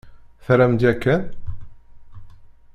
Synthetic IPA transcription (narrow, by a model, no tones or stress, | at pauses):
θɾæmd͡ʒækːæn